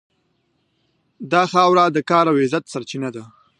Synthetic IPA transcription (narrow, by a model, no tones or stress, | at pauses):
d̪ɑxɑwɾad̪əkɑɾawezat̪saɾt͡ʃinad̪a